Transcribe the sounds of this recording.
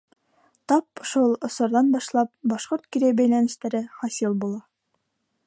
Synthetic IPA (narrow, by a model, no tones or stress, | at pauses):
t̪ɒp̚ʃulˠŏsŏɾðɑnbɒʃlˠɑp̚bɒʃqoɾt̪kiɾæbæjlænɘ̆ʃt̪æɾɘχɒsilˠbulˠɑ